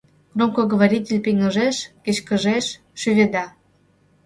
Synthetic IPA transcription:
kromkoɡoβaɾʲitʲelʲpiŋəʒeʃket͡ɕkə̆ʒeʃː | yβed̪ɑ

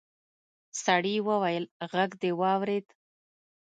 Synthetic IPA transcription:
saɽiwəwajəlɣaɡd̪ewɑwɾed̪

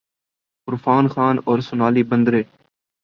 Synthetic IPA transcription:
kʊɾfaːnxaːnoːɾsʊnaːliːbənd̪ɾeː

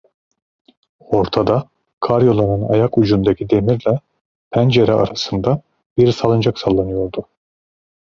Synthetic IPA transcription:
o̞ɾt̪ʰad̪a | kʰaɾjo̞lˠanɯna̰jakud͡ʒund̪acʰid̪e̞miɾlʲɛ | pʰænd͡ʒeɾɛʔa̰ɾasɯnd̪a | b̥iɾsalˠɯnd͡ʒaksalˠːanɯjo̞ɾd̪u

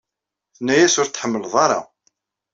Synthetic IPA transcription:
θnːæjæsʊɾt̪ːħəmːəlðˤɑɾˤɑ̰

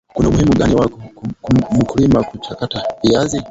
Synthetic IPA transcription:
kunamuhimuɠaniwakkum̩kulimakut͡ʃakataviazi

